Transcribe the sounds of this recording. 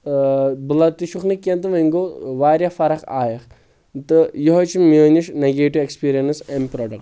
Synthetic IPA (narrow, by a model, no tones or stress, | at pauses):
bɨlɐt̪iʃuxnikʲːɐnt̪ɨmɐŋɡoːʋaːɾjɐfɐɾɐka̰ːjɐx | t̪ɨjɔɦot͡ʃʰimmːoniʃneɡeːʈiʋekspiːɾijɐnsempɾɔːɖɐkʈʈ